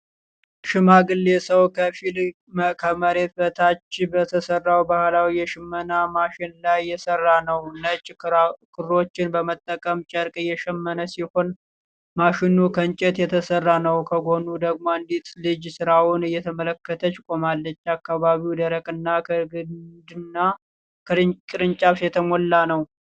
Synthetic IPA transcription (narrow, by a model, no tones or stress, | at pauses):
ʃɪmaɡɨlːe̞səwkʰəfil | mkʰəməɾe̞t̪̚bət̪ʰat͡ʃːbət̪ʰəsərːawbahlawijɛʃɪmːənamaʃɪnlajːɛsərːanəwnət͡ʃʼkʰɨɾɾo̞t͡ʃːɪnbəmət̪ʼːəkʼəmt͡ʃʼəɾkʼɨjːɛʃɛmːənəsiho̞n | maʃɪnukʰəɲt͡ʃʼɛt̪jɛt̪ʰəsərːanəwkʰəɡo̞nud̪əɡmoɨnd̪it̪lɨd͡ʒsɨɾawʊnɨjːɛt̪ʰəmələkːət̪ʰət͡ʃkʼo̞malːət͡ʃːakːaβaβiwd̪əɾəkʼɨnːakʰəɡɨd̪ɨnːa | kʰəkʼɾɨɲt͡ʃʼaβsjɛt̪ʰəmolːanəw